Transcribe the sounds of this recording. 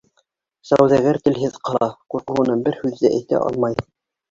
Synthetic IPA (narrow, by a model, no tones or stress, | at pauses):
sæ̰wðæɡæɾt̪ɘ̆lɦɘðqʰɑlˠɑquɾqɤ̆ɤ̆nɤnbɘɾhʉðːɘʔæ̰jt̪æ̰ʔɑ̰lˠmɑj